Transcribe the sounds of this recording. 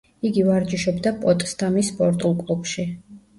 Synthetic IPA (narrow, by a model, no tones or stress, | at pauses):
iɡivaɾd͡ʒiʃɔbd̪apʼɔt̪ʼst̪ʼamisːpʼɔɾt̪ʼulˠkʼlˠupʃi